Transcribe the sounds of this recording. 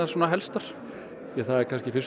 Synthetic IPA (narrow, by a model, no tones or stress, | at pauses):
asɔːnaɦɛlst̪aɾ̥ | jaθaðɛɾkʰanscɪfɪs